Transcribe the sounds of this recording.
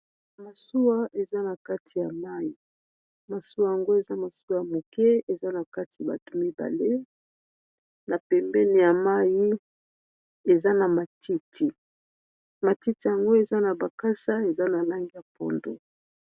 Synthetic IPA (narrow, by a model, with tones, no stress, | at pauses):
ma˨su˦wa˦ʔe˨za˦na˨ka˦tʰi˨ja˨ma˦ji˨ | ma˨su˦a˨ja˨ŋɡo˦e˨za˦ma˨su˦wa˨ja˨mo˨kɛ˦e˨za˦na˨ka˦ti˨a˨ba̰˨to˨mi˦ba̰˨le˦ | na˨pɛ˨mbɛ˦ni˨ja˨ma˦ji˦ | e˨za˦na˨ma˨tʰi˦tʰi˨ | ma˨ti˦ti˨ja˨ŋɡo˦e˨za˦na˨ba˨ka˦sa˦e˨za˦na˨la˦ŋɡi˦ja˨pɔ̰˦ndo̰˨